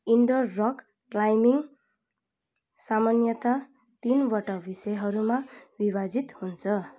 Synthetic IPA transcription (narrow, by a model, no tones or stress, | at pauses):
iɳɖʌrːʌk | ʈlajmiŋ | samʌnjʌt̪a | t̪inbʌʈʌbisʌjɦʌɾumabibad͡zit̪hunt͡sʰʌ